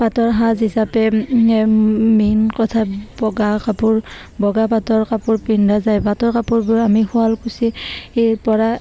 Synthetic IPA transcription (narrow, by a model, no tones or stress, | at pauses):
batɔɹɦazɦisapɛ | minkɔtʰabɔɡakapuɹ | bɔɡapatɔɹkapuɹpindʱazajbatɔɹkapuɹbɔamihʊalkusieɹpɔɹa